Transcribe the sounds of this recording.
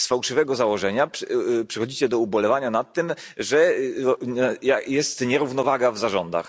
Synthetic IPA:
sfawʂɨvɛɡɔzawɔʐɛɲaʂpʂɛxɔd͡ʑit͡ɕɛd̪ɔubɔlɛvaɲanat̪ːɘmʐɛ | jajɛst̪ɲɛɾuvnɔvaɡavzaʐɔnd̪a̰x

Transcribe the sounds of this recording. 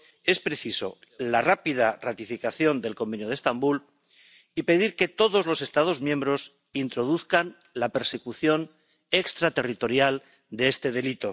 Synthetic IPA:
e̞spɾe̞θiso̞̰ | larapið̞arat̪ifikaθjo̞nd̪e̞lko̞mbe̞njoð̞est̪ambul | ipe̞ðiɾke̞t̪o̞ðo̞zlo̞se̞st̪að̞o̞zmjẽ̞mbɾo̞s | int̪ɾo̞ðuθkan | lape̞ɾse̞kuθjo̞n | e̞kst̪ɾat̪e̞rit̪o̞ɾjal | d̪eest̪e̞ð̞e̞lit̪o̞

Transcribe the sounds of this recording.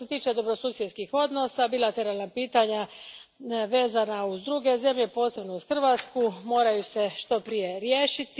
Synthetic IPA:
et̪iːt͡ʃe̞d̪o̞bɾo̞suːsjed̪skixo̞d̪no̞sabilat̪e̞ɾalˠnapiːt̪aɲa | ʋe̞ːzanauzd̪ɾuɡe̞ze̞mʎe̞po̞ːse̞bno̞uzxr̩ʋat̪skumo̞ːɾajuseʃt̪o̞pɾije̞ɾje̞ːʃit̪

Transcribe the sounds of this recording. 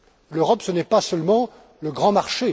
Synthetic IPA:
løʁɔpsənɛpasœlmɑ̃ | ləɡʁɑ̃maʁʃe

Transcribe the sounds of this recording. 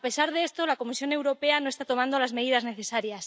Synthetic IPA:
pe̞saɾðeest̪olako̞misjo̞ne̞wɾo̞pe̞anoest̪at̪o̞mãnd̪olazme̞ðiðazne̞θe̞saɾjas

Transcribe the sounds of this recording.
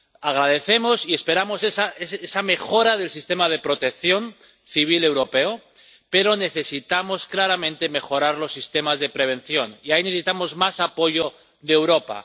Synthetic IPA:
aɣ̞ɾað̞e̞θe̞mo̞sie̞spe̞ɾamo̞sesaesesame̞xo̞ɾað̞e̞lsist̪e̞mað̞e̞pɾo̞t̪e̞k̚θjo̞n | θiβ̞ile̞wɾo̞pe̞o | peɾo̞ne̞θe̞sit̪amo̞sklaɾamẽ̞nt̪e̞me̞xo̞ɾaɾlo̞sːist̪e̞mazðe̞pɾe̞β̞e̞nθjo̞niaineθesit̪amo̞zmasapo̞ʝo | ðewɾo̞pa̰

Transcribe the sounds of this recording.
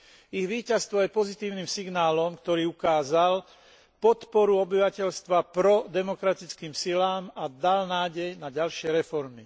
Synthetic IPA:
iɣʋiːcast̪ʋɔjɛpɔzit̪iːʊniːmsiɡnaːlɔmkt̪ɔɾiːukaːzal | pɔt̪pɔɾuɔbiʋacɛʎst̪ʋapɾɔd̪ɛmɔkɾat̪it͡skiːmsilaːmad̪alnaːɟɛjnaɟalʃɪɛɾɛfɔɾmi

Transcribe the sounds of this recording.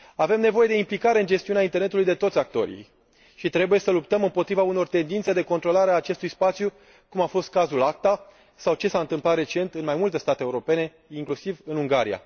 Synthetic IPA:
ave̞mne̞vo̞je̞d̪eimplikaɾe̞ɨnd͡ʒe̞st̪iunaint̪e̞rne̞t̪ulujd̪e̞t̪o̞t̪sʲak̚t̪o̞̰ɾḭ | ʃit̪ɾe̞buje̞səlup̚t̪əmɨmpo̞t̪ɾivauno̞rt̪e̞nd̪int̪se̞d̪e̞ko̞nt̪ɾo̞laɾeaːt͡ʃe̞st̪ujspat̪sju | kumafo̞st̪̚kazulak̚t̪a | sawt͡ʃe̞saɨnt̪ɨmplat̪ret͡ʃe̞nt̪ɨnmajmult̪e̞st̪at̪eːuɾo̞pe̞ne̞ | iŋklusivɨnuŋɡaɾija̰

